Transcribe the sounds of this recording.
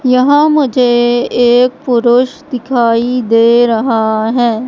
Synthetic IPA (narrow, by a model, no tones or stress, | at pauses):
jɐɦãmʊd͡ʒʱeeːk̚pʊɾʊʃd̪ɪkʰaːid̪eːɾɐɦaɦɛː